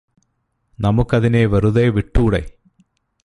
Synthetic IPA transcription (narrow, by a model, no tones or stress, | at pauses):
nɐmukːɐðineːʋɐruðeːʋiʈːuːɽḛ